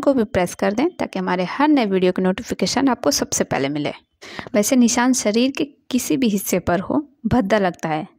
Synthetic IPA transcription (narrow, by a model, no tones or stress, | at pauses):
kobʱɪpɾɛːskɐɾd̪ẽːt̪a̰ːkiɦɐmaːɾehɐɾnɐeʋiːɖijokenoːʈɪfʰɪkeːʃənaːp̚kosɐbsepɛ̰ːɦlemɪlḛ̃ː | ʋɛːsenɪʃaːnʃɐɾiːɾkekɪsibʱiɦɪsːepɐɾɦo̰bʱɐd̪ːalɐɡt̪aɦɛː